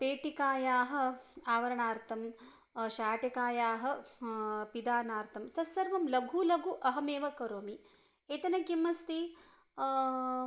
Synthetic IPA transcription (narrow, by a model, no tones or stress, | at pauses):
peːʈikaːjaːɦɐ̆aːʋɐɾɐɳaːɾt̪ʰɐm | ʃaːʈekaːjaːɦɐ̆ | pid̪aːnaːɾt̪ʰɐmsɐsɐɾʋɐmlɐɡʱulɐɡʱuʔɐɦɐmeːʋɐkɐɾoːmi | eːt̪ɐnɐkimːɐst̪i